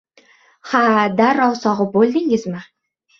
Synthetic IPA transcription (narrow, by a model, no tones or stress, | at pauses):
had̪aɾɒwsɒʁɨbolˠd̪ɪŋɪzmɪ